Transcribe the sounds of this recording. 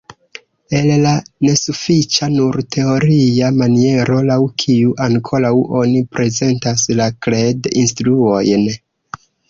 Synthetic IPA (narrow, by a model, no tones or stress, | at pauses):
e̞llane̞sufit͡ʃanuɾtʰe̞o̞ɾiamanie̞ɾo̞lawkʰiuʔaŋkʰo̞ɾawʔo̞nipɾʔe̞ze̞ntaslakledinstɾuo̞jn